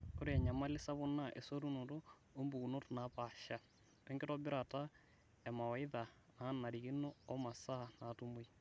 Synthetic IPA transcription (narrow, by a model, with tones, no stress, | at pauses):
o˦ɾiɛ˨ɲa˨ma˦li˦sa˦βo˦na˦˨ʔe˨so˦ɾu˦no˨ɾo˦ | o˦mbu˨ɣu˨no˦to˨na˨pa˨ʃa˨ | e˦ŋɡe˦ɾɔ˦bi˦ɾa˨ta˦ | ɛ˨ma˨wa˨i˦ða˨ | na˦na˨ɾi˨ɣi˦no˦ɔ˦ma˨sa˦˨na˨tu˦mo˦i˦